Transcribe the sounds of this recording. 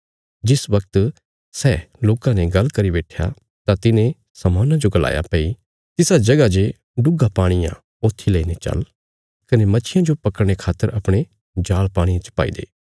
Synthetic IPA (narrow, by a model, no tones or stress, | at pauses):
d͡ʒɪsʋɐk̚t̪ | sɛːloːkãneɡɐlkɐɾibeːʈʰja̰ | t̪at̪ɪnẽ | sɐmaːnãd͡ʒoɡɐla̰ːja̰pɐi | t̪ɪsad͡ʒɐɡad͡ʒe | ɖʊɡapaːɽ̃ɪjã̰ | oːt̪ʰːileinet͡ʃɐ̰l | kɐnemɐt͡ʃʰɪjãd͡ʒopɐkəɽɽ̃ekʰaːt̪ːəɾɐpɽ̃e | d͡ʒaːlpaːɽ̃ĩjãt͡ʃə̥pa̰ːḭd̪ḛː